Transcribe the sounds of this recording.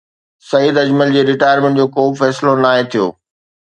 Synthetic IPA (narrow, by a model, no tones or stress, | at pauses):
sɐijid̪ɐd͡ʑməld͡ʑeːɾɪʈaːjəɾmẽɳʈd͡ʑoːkoːfɛːslonaːɦẽt̪ʰijo̰ː